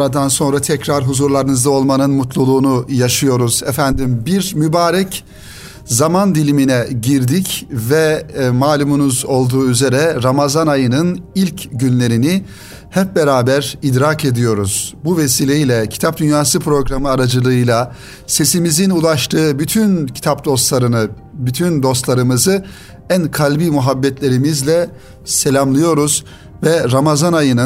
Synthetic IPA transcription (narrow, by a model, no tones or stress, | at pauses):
ɾad̪anso̞nɾat̪ʰɛcɾaɾɦuzuɾlˠaɾɯnɯzd̪ao̞lˠmanɯnmut̪lˠulˠuːnujaʃɯjo̞ɾuzɛfænd̪imbiɾmybaːɾɛc | zamand̪ilʲiminɛɟiɾd̪icvɛmaːlʲumunuzo̞lˠd̪uːyze̞ɾɛɾamazanajɯnɯnilʲcɟynlʲe̞ɾini | hɛp̚be̞ɾaːbæɾid̪ɾaːke̞d̪ijo̞ɾuz̥buvesiːlʲejilʲɛcʰi̥t̪ʰap̚d̪ynjaːsɯpʰɾo̞ɡɾamɯaɾad͡ʒɯlˠɯɯjlˠa | se̞simizinulˠaʃt̪ʰɯːbyt̪ʰyncʰi̥t̪ʰap̚d̪o̞st̪lˠaɾɯnɯ | byt̪ʰynd̪o̞st̪lˠaɾɯmɯzɯ | ænkʰalʲbiːmuɦabːɛt̪lʲe̞ɾimizlʲɛ | se̞lʲamlˠɯjo̞ɾuz̥ | vɛɾamazanajɯnɯ